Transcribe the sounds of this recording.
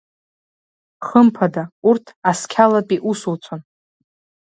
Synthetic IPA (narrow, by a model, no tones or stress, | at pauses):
χəmpʰadaurtʰaskʲʰalapʼiʔusut͡sʷʰon